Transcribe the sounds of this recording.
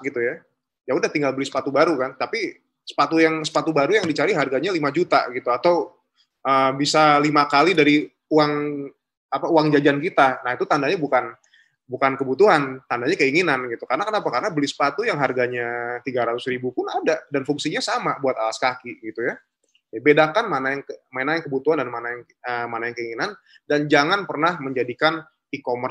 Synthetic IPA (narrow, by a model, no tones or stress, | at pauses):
ɡit̪uja | jaudaht̪iŋɡalbəlisə̥pat̪ubaɾukant̪api | sə̥pat̪ujaŋsə̥pat̪ubaɾujaŋdit͡ʃaɾiɦarɡaɲalimad͡ʒut̪a̰ɡit̪uat̪aw | ʔəːbisalimakalidaɾi | uaŋ | apauaŋd͡ʒad͡ʒankit̪anahit̪ut̪andaɲabukan | bukankəbut̪uɦant̪andaɲakəiŋinanɡit̪ukaɾənakənapakarənabəlɪsə̥pat̪ujaŋɦarɡaɲat̪iɡaɾat̪ʊsribupʊnadadanfuŋsiɲasamabuat̪alaskakiɡit̪uja | abedakanmanajaŋkəmaenajaŋkəbut̪uɦandanmanaŋ | əmanajaŋkəiŋinan | dand͡ʒaŋanpərnahməɲd͡ʒadikan | ikomər